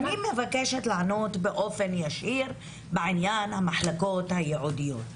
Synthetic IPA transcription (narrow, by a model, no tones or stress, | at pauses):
nimevakeʃet̪laʕanot̪beʔo̞fe̞njaʃiʁ | beʕinjanhamaħlako̞t̪hajeʕud̪ijot̪